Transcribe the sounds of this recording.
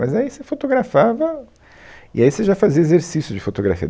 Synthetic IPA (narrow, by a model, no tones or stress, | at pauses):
mɐzaisefot̪oɡɾafavɐ | ɪ̰aiseʒafaziɐezeɾsisjʊd͡ʒɪfot̪oɡɾa̰fiɐ̰